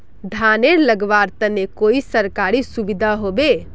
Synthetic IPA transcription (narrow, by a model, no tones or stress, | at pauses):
d̪ʱaneɾləɡʋaɾt̪ənekoisəɾkaɾisubid̪ʱaɦobe